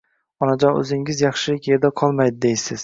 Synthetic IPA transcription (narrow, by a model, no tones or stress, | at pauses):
ɒnad͡ʒɒnɵ̰zɪŋɪzjɑχʃɪlɪkʲed̪aqʰɒlˠmajd̪ɪd̪ejsɪz̥